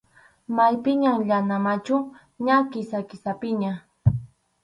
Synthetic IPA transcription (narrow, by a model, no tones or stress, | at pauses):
majpɪɲaŋʎanamat͡ʃʊ | ɲakɪsakɪsapɪɲa